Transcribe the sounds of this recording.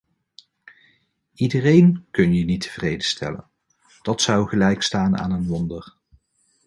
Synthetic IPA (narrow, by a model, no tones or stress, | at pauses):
idərejnkɵnjənitə̥v̥rejdəstʰɛ̰lə̰n | d̥ɑtsʌwχəlɛjkstaːna̰ːnənʋɔndəɹ